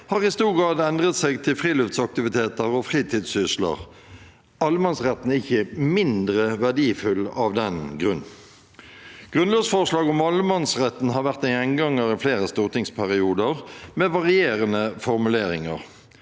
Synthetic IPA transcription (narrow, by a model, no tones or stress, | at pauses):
hɑːʁɪst̪uːʁɡɾɑːd̪ɛnd̪ʁət̪sɛɡt̪ʰɪlfʁiːløft̪sɑk̚t̪ɪʋɪt̪ʰeːt̪əʁɔfʁiːt̪ʰiːd̪sʏslə̰ʁ | ɑlːmɑnsʁɛt̪n̩ɪçəmɪnd̪ʁəʋæʁɖiːfʉlɑʋd̪ɛnɡʁʉn | ɡ̥ʁʉnlɑːsfɔʁʂlɑːɡɔmɑləmɑnsʁɛt̪n̩hɑːɾʋæʁt̪ɛɛŋɡɑŋːəɾɪfleːʁəst̪uːʁt̪ʰɪŋspʰæʁɪuːd̪əʁmeːʋɑʁɪeːʁənəfɔʁmʉleːɾɪŋəʁ